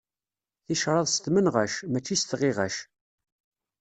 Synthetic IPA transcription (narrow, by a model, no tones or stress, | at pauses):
θiʃɾˤɑðˤsə̥t̪mənʁæʃmæt͡ʃːist̪ʁɪʁæ̰ʃ